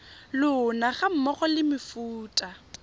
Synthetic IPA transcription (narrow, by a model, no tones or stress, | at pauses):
lʊnaχam̩mɔχɔlɪmɪfuːtʼa